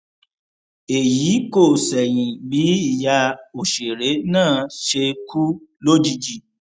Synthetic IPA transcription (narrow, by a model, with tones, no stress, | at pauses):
e˨jiː˨˦ko˦˨sɛ˨j̃ĩ˨bi˨˦i˦˨ja˧o˨ʃe˨ɾe˨˦nãː˦˨ʃe˧kʰu˦lo˦d͡ʒi˧d͡ʒi˦˨